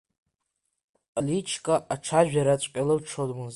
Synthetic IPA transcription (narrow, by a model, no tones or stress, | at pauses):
alit͡ʃʰkʼaʔaːʈ͡ʂʰaʒᶣaɾat͡ɕʷʼkʲʼalɨlʈ͡ʂʰodmɨz